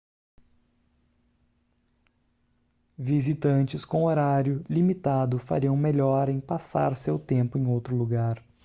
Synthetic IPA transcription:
vizit̪ɐ̃nt͡ʃɪskõw̃oɾaɾjʊlimit̪ad̪ʊfa̰ɾiɐ̃w̃meʎɔɾẽj̃pasa̰ɾsewt̪ẽmpʊẽj̃owt̪ɾʊluɡaɾ

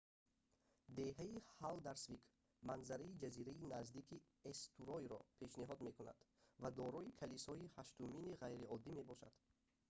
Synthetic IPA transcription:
d̪e̞ɦaihald̪aɾsvikʰ | manzaɾaid͡ʒaziɾainazd̪ikʰi | est̪ʰuɾɔjɾɔ̰pʰe̞ʃniɦɔd̪me̞kuna̰d̪̥vad̪ɔɾɔikʰalisɔihaʃt̪uminiʁajɾiɔd̪ːime̞bɔʃa̰d̪̥

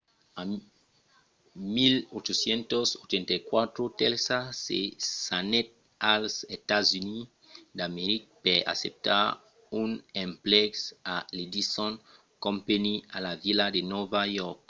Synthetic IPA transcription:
a | milot͡ʃosjent̪osot͡ʃent̪ajkwat̪ɾot̪elsasḛsanet̪̚ | alset̪azuni | d̪ameɾik̚pea̰sep̚t̪a̰ɾ | unempleksalid̪isõn | kõmpenialavilad̪enovajɔɾk

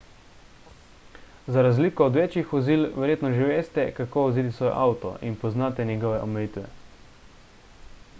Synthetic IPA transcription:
zaɾazliːkɔːd̪ʋeːt͡ʃixʋɔziːlʋɛɾjeːt̪nɔʒiʋeːst̪ɛkakoːɔziːt̪̬isʋɔːjɔ̰ʔaːwt̪ɔ̰ʔinpɔznaːt̪ɛnʲjɛɡɔːʋɛʔɔmɛjiːt̪ʋɛ̰

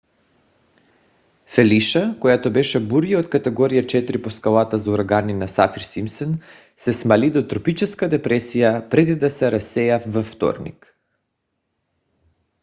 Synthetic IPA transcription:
fɛliʃakojat̪obɛʃɛbuɾiot̪kat̪ɛɡɔɾijat͡ʃɛt̪ɾiposkalˠat̪azauɾaɡaninasafiɾsimsɛn | sɛsmalid̪ot̪ɾɔpit͡ʃɛskad̪ɛpɾɛsijapɾɛd̪id̪asɛɾasɛjavaft̪ɔ̰ɾnḭk

